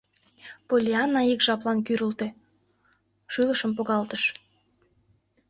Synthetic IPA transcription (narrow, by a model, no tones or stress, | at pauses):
polʲiɑnːɑikʒɑplɑnk̬yɾult̪e | ʃyləʃəmpoɣɑlt̪əʃ